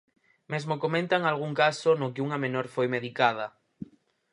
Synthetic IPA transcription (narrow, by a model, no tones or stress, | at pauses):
mezmokomẽnt̪aŋalɣ̞uŋkasonokɪuŋamẽnoɾfojmeðikað̞ɐ